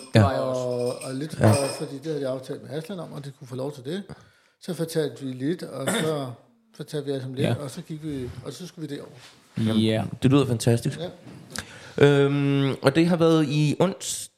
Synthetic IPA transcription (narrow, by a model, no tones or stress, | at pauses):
ɑ | le̝d̥ɒfɒd̥ḭːd̥e̝hæðˠdiɑ̈ʊt͡sʰɛ̰ːld̥meæsd̥lænɒ̽m̰ɒ̽d̥ekʰufɔːlɒʊt͡sʰe̝ld̥e̝ | sɒ̽fɒt͡sʰæl̰d̥ʋile̝d̥ɒ̽sɒ̽ | fɒt͡sʰɛ̰l̰d̥ʋiæsɒmle̝dɒ̽sɒ̽ɡ̥iɡ̥ʋiɒ̽sɒ̽sɡ̥uʋid̥e̝ɒʊ̰ɐ | d̥e̝løðˠɐfænt͡sʰæsd̥is | ʔømʔɒ̽d̥e̝ɦɑ̈ʋæːɐð̩ˠiʔɔ̽n̰s